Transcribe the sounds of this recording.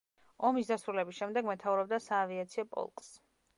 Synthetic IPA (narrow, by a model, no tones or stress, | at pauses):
ɔmisd̪asɾulɛbisʃɛmd̪ɛɡmɛt̪ʰauɾɔb̚d̪asaːviat̪sʰiɔpʼɔ̰lˠkʼs